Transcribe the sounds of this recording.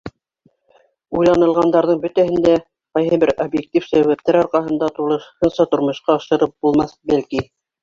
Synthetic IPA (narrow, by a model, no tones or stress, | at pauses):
ujlˠɑnɤ̆lˠʁɑnd̪ɑɾðɤɴbɵt̪æɦɘ̆nd̪æ | qɑjɦɤbɘɾobjek̚t̪ʲifsæwæp̚t̪æɾɑɾqɑɦɤ̆nd̪ɑt̪ulˠɤ̆ʃhɤnsɑt̪ŏɾmŏʃqɑɑʃɤ̆ɾɤp̚bulˠmɑθbælki